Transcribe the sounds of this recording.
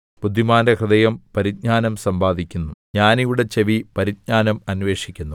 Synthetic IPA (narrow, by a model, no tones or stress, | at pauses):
pud̪ʱːimaːnekrɨd̪ɐjɐmpɐɾit̪̚ɲaːnɐmsɐmbaːd̪ʱikʲːunːuɲaːnijuɽe̞t͡ɕeʋipɐɾid̪̚ɲaːnɐmɐnʋeːʂikʲːunːu